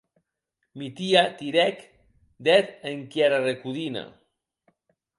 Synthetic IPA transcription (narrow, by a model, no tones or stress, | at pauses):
mit̪iat̪iɾɛk | d̪ɛt̪eŋkjɛɾarekuðina̰